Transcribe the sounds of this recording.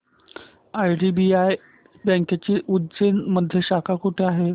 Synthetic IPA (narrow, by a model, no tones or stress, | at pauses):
ajɖibiaj | bə̃ŋkjat͡ɕiːʔudd͡ʑenməd̪ʱjeɕakʰakuʈʰeaɦe